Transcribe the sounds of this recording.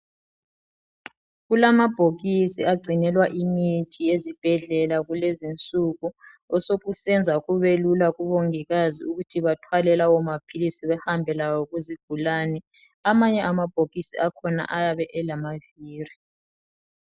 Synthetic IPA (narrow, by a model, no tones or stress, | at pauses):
ɣulamab̥ʱoɣisiaɡ͡ǀʱinɛlwaʔimitʰiezib̥ʱɛɮɛlaɣulezint͡sʼuɣu | ɔsoɣusɛnd͡zʱaɣuβelulaɣuβoŋiɣazḭuɣutʰiβatʰwalɛlawɔmapʰilisiβɛhambʱɛlawɔɣuziɡ̥ʱulanɛ | amaɲɛʔamab̥ʱoɣisḭakʰɔna̰ʔajaβɛʔɛlamaviːri